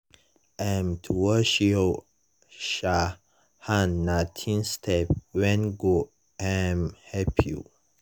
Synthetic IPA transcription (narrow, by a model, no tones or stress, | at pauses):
ãmtʰuwəʃo | ʃa | hãnːatʰĩnstʰɛpwɛ̃nɡo | amhɛpʰjṵ